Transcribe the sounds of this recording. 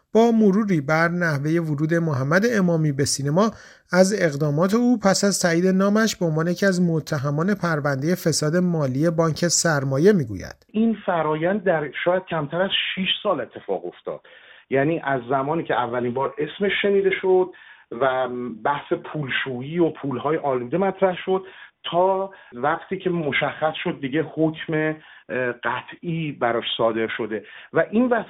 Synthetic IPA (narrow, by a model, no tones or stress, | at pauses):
b̥ɒːmoɾuːɾiːbæɾnæhve̞je̞voɾuːd̪e̞moɦæmːæd̪e̞ːmɒːmiːbe̞siːne̞mɒː | æze̞ɣd̪ɒːmɒːt̪ʰe̞uːpʰæsæzt̪ʰæːiːd̪e̞nɒːmæʃbe̞o̞nvɒːnejecʰiæzmot̪ʰːæɦæmɒːne̞pʰæɾvænd̪je̞fe̞sɒːd̪e̞mɒːliːe̞bɒːɲcʰe̞sæɾmɒːje̞miːɡṵjæ̰d̪̥infæɾɒːjænd̪̚ːæɾʃɒːjæd̪̥̚cʰæmt̪ʰæɾæz̥ʃiʃsɒːle̞t̪ʰːe̞fɒ̰ːɣo̞ft̪ɒ̰ːd̪̥jæːniːʔæzːæmɒːniːcʰeævːælimbɒːɾe̞sme̞ʃːe̞niːd̪e̞ʃod̪̥̚ | væbæhse̞pʰuːlʃuːiːopʰuːlhɒːjeʔɒːluːd̪emæt̪ʰɾæhʃo̞d̪̥̚t̪ʰɒːvæɢt̪ʰiːcʰemo̞ʃæχːæsʃo̞d̪̚ːiɟe̞hocʰme̞ | ɢæt̪ʰiːbæɾɒːʃsɒːd̪e̞ɾʃo̞d̪e̞væʔinvæ